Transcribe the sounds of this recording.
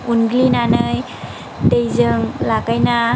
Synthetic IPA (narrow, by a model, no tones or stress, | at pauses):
unɡlinanɯj | tejzɯŋlakajna